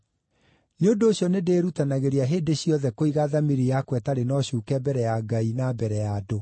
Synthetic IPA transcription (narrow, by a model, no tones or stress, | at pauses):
neondoːɕjɔnedeːɾutanaɣeɾeaɦeːdeɕjɔðɛkoiɣaðamiɾijakwɛtaɾenɔɕuːkɛbɛɾɛjaɡainabɛɾɛjado